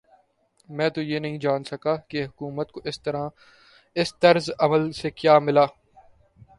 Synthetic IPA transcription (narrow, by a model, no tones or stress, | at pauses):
mɛ̃ːt̪ojeːnɐɦĩd͡ʒaːnsɐkaːkeɦʊkuːmət̪koɪst̪ɐɾã | ɪst̪ɐɾzɐməlsekjaːmɪlaː